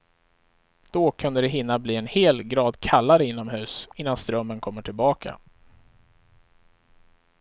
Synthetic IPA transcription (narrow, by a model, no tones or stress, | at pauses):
d̪̥ɔkʰɵnd̪əd̪ɛɦɪnːabliːɛnheːlɡɾɑːd̪kʰalːaɾəɪn̪ːɔmɦʉ̟ːsɪnːanst̪ɾœmːənkʰɔmːəʈʰɪlbɑːkʰa̰